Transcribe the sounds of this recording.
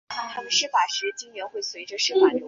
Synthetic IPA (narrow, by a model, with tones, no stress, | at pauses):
t̪ʰa˥mə˨nʂɻ̩˥˩fa˨˩ʂɻ̩˧˥t͡ɕi˥ŋɥɛ˧˥nxwe˥˩ɪswe˧˥ʈ͡ʂə˧ʂɻ̩˥˧xwa˥˩l